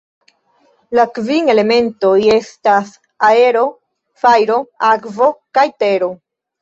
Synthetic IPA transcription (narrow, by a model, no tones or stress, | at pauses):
lakvine̞le̞me̞nto̞je̞stas | ae̞ɾo̞ | fajɾo̞akvo̞kajte̞ɾo̞